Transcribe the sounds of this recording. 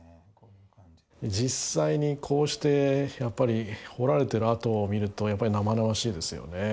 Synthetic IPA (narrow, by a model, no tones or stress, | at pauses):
d͡ʑisːaiɲ̟ikʰo̞ːɕi̥t̪e̞japːaɾʲiho̞ɾaɾe̞t̪e̞ɾɯat̪o̞ːmʲiɾɯ̟t̪o̞japːaɾʲinamanaβaɕiːd̪e̞sɨjo̰ne̞